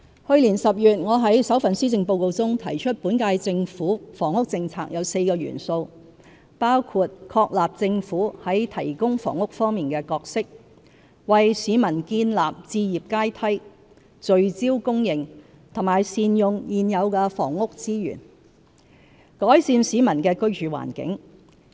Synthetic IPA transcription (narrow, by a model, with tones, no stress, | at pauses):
hɵ˧ɥliː˨˩nsɐ˨p̚jyː˨t̚ŋɔː˨˧ɦɐ˨˥jsɐ˨˥wfɐ˨nsiː˥t͡sɪ˧ŋpo˧wko˧wt͡sʊ˥ŋt̪ʰɐ˨˩jt͡ʃʰɵ˥t̚puː˨˥nkaː˧jt͡sɪ˧ŋfuː˨˥fɔː˨˩ŋʊ˥k̚t͡sɪ˧ŋt͡sʰaː˧k̚jɐ˨˧wse˧jkɔː˧ɥy̰ː˨˩nso˧w | paː˥wkʰuː˧t̚kʰɔː˧k̚laː˨p̚t͡sɪ˧ŋfuː˨˥hɐ˨˥jt̪ʰɐ˨˩jkʊ˥ŋfɔ̰ː˨˩ŋʊ˥k̚fɔː˥ŋmiː˨nkɛː˧kɔː˧k̚sɪ˥k̚ | wɐ˨jsiː˨˧˥mɐ˨˩nkiː˧nlaː˨p̚t͡siː˧jiː˨p̚kaː˥jt̪ʰɐ˥j | t͡ʃɵ˨ɥt͡siː˥wkʊ˥ŋjɪ˨˩ŋ | t̪ʰʊ˨˩ŋmaː˨˩jsiː˨njʊ˨ŋjiː˨njɐ˨˧wkɛː˧fɔ̰ː˨˩ŋʊ˥k̚t͡siː˥jy̰ː˨˩n | kɔː˨˥jsiː˧nsiː˨˥mɐ˨˩nkɛː˧kɵ˥ɥt͡ʃyː˨wa̰ː˨˩nkɪ̰˨˥ŋ